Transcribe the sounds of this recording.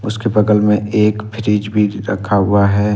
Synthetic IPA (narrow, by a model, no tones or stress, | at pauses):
ʊskebɐɡəlmẽeːkpʰɪɾiːd͡ʒbʱiɾɐ̰kʰːaɦʊaɦɛː